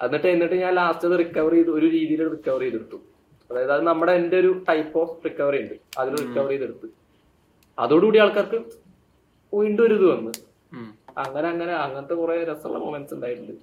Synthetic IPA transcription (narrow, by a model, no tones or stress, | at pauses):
ɐ̰inːiʈːɨenːiʈːɨɲaːlaːst͡ɕːɐðɨrikːɐʋɐriðo̞ɾuɾiːðijilourikːɐʋɐrijðeɽut̪ːu | ɐðaːjɐðɨɐðɨnɐmːuɽeende̞o̞ɾuʈɐjpːo̞ːrikːɐʋɐrijuɳɖɨɐðilrikːɐʋɐrijðeɽut̪ːu | ɐ̰ðoːɽuuːɽijaːɭkːaːrkɨ | ujɳɖuʋɐɾuðuʋɐnːɨ | ɐ̰ŋːɐne̞ɐŋːɐne̞ɐŋːɐnɐt̪ːe̞kureɾesṵlːɐ̰moːmensuɳɖaːjiʈːilːɐ